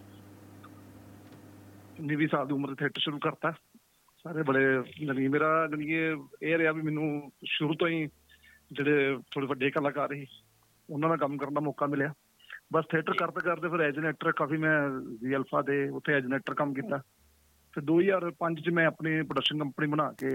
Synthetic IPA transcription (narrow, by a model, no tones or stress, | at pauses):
nɪʋiːsaːld̪iːʊməɾt̪eːt̪ʰeːʈəɾʃʊɾuːkəɾt̪aː | saːɾeːbəɽeːləɡĩːmeːɾaːɡəɽiːeeːɾɪɦaːbiːmɛːnũːʃʊɾuːt̪õːĩː | d͡ʒeːɽeːt̪ʰoːɽeːʋəɖeːkəlãːkaːɾeːiː | ʊnãːnãːkəmkəɾnaːmɔːkaːmɪljaː | bəst̪ʰeːʈəɾkəɾt̪eːkəɾt̪eːpʰɪɾɛːd͡ʒeneːʈəɾkaːfiːmɛ̃ːziːɛːlpʰaːd̪eːʊt̪ʰːeːɛːd͡ʒɪneːʈəɾkəmkiːt̪aː | pʰɪɾd̪oːiːjaːɾpəɲd͡ʒt͡ʃəmɛ̃ːəpniːpɾɖəkʃənkəmpniːbəñaːkeː